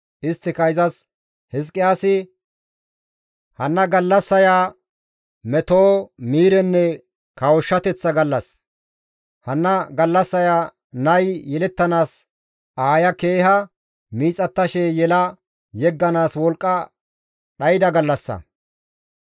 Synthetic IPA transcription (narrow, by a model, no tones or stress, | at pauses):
ʔɪst̪ːɪkɐjzɐs | hɪs̬kʼːɪjaːsɪ | hɐnːɐɡɐlːɐsːɐjaː | mɛt̪oːmiːɾɛnːɛ | kɐwɔʃːɐt̪ɛt͡sːɐɡɐlːɐs | hɐnːɐɡɐlːɐsːɐjaː | nɐjjɛlɛt̪ːɐnaːs | aːjɐke̞ːɦɐ | miːt͡sʼɐt̪ːɐʃɛjɛlɐ | jɛɡːɐnaːswɔlkʼːɐ | ɗɐjɪd̪ɐɡɐlːɐsːɐ̰